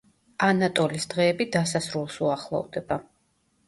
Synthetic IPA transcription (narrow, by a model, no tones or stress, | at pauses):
anat̪ʼɔlisd̪̥ʁɛːbid̪asasɾulˠsuaχlˠɔ̰vd̪ɛba